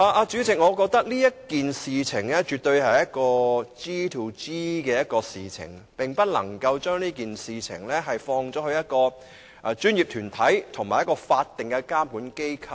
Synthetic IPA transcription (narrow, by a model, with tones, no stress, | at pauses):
aː˨˧ʔaː˧t͡ʃyː˨˥t͡sʰɪ˨˩ŋ̚ɔː˨˧kɔː˧k̚t̪ɐ˥k̚liː˥jɐ˥t̚kiː˨nsiː˨t͡sʰɪ˨˩ŋlɛː˥t͡ʃyː˨t̚t̪ɵ˧ɥɦɐ˨jɐ˥t̚kɔː˧t͡siː˥t̪ʰu˨˩wt͡siː˥kɛː˧jɐ˥t̚kɔː˧siː˨t͡sʰɪ̰˨˩ŋpɪ˨ŋpɐ˥t̚lɐ̰˨˩ŋkɐ˧wt͡ʃœː˥ŋliː˥kiː˨nsiː˨t͡sʰɪ̰˨˩ŋlɛ˥ɦɐ˨jfɔː˧ŋt͡ʃɔː˨˥hɵ˧ɥjɐ˥t̚kɔː˧ | ʔa˨˧t͡ʃyː˥njiː˨p̚t̪ʰyː˨˩nt̪ʰɐ˨˥jt̪ʰʊ˨˩ŋmaː˨˩jɐ˥kɔː˧faː˧t̚t̪ːɪ˨ŋkɛ˧kaː˥mkuː˨˥nke˥jkʰɐ˧